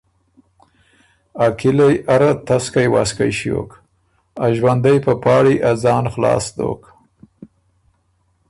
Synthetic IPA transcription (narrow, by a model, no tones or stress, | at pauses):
akɪlajʔaɾat̪askajwa̰skajʃio̰k | aʒwand̪ajpəpɑːɽiʔazɑːnxlɑ̰ːsd̪o̰ːk